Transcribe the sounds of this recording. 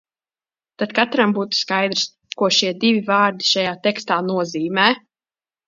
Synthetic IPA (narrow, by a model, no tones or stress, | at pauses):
t̪at̪kat̪ɾambuːt̪u̥skajd̪ɾs | kuɔʃiɛd̪ivʲivaːɾd̪i̥ʃajaːt̪ɛkst̪aːnuɔziːmɛː